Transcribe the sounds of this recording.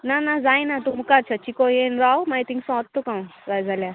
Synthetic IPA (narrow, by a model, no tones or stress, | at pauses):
nanad͡zajnat̪umukaɾt͡ʃʰat͡ɕikojenɾawmajt̪iŋsɔ̃t̪ʰːukãw̃zajd͡zalja